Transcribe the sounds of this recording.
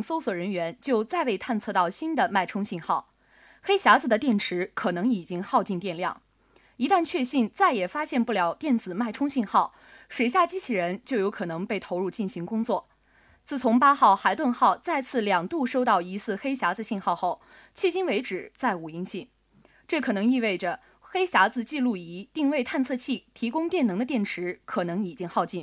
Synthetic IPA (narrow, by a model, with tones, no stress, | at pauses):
so˥ʊswɔ˨˩ɻə˧˥nɥɛ˧˥nt͡ɕjo˥˧ʊt͡sa˥˧ɪwe˥˧ɪt̪ʰa˥˧nt͡sʰɤ˥˧t̪ɑ˥˩ʊɕi˥nd̪ə˨ma˥˩ɪʈ͡ʂʰʊ˥ŋɕi˥˧nxɑ˥˩ʊ | xe˥ɪɕja˧˥d͡zɹ̩˨˩d̪ə˩t̪jɛ˥˩nʈ͡ʂʰɻ̩˧˥kʰɤ˨˩nɤ˧˥ŋi˨˩t͡ɕi˥ŋxɑ˥˧ʊt͡ɕi˥˧nt̪jɛ˥˧nljɑ̰˥˩ŋ | i˧˥t̪a˥˧nt͡ɕʰɥɛ˥˧ɕi˥˧nt͡sa˥˩ɪjɛ˨˩fa˥ɕjɛ˥˧npu˥˩ljɑ˨˩ʊt̪jɛ˥˩nt͡sɹ̩˨˩ma˥˩ɪʈ͡ʂʰʊ˥ŋɕi˥˧nxɑ˥˩ʊ | ʂwe˨˩ɪɕ̬ja˥˩t͡ɕi˥t͡ɕʰi˧˥ɻə˧˥nt͡ɕjo˥˩ʊjo˧˥ʊkʰɤ˨˩nɤ˧˥ŋpe˥˩ɪt̪ʰo˧˥ʊɻu˥˧t͡ɕi˥˩nɕi˧˥ŋkʊ˥ŋt͡swɔ˥˩ | t͡sɹ̩˥˩t͡sʰʊ˧˥ŋpa˥xɑ˥˩ʊxa˧˥ɪt̪wə˥˧nxɑ˥˧ʊt͡sa˥˧ɪt͡sʰɹ̩˥˩ljɑ˨˩ŋt̪u˥˩ʂo˥ʊt̪ɑ˥˩ʊi˧˥sɹ̩˥˩xe˥ɪɕja˧˥d͡zɹ̩˧ɕi˥˧nxɑ˥˧ʊxo˥˩ʊ | t͡ɕʰi˥˩t͡ɕi˥nwe˧˥ɪʈ͡ʂɻ̩˨˩t͡sa˥˩ɪu˨˩i˥˧ŋɕi˥˩n | ʈ͡ʂɤ˥˩kʰɤ˨˩nɤ˧˥ŋi˥˧we˥˩ɪʈ͡ʂə˩ | xe˥ɪɕa˧˥d͡zɹ̩˧t͡ɕi˥˧lu˥˩i˧˥t̪i˥˧ŋwe˥˧ɪt̪ʰa˥˧nt͡sʰɤ˥˧t͡ɕʰi˥˩t̪ʰi˧˥kʊ˥ŋt̪jɛ˥˩nɤ˧˥ŋd̪ə˧t̪̬jɛ˥˩nʈ͡ʂʰɻ̩˧˥kʰɤ˨˩nɤ˧˥ŋi˨˩t͡ɕi˥ŋxɑ˥˧ʊt͡ɕi˥˩n